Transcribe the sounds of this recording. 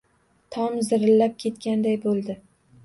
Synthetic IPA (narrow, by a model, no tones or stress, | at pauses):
t̪ʰɒmzɪɾɪlːap̚kʲʰe̞t̪kʲand̪ajbolˠd̪ɪ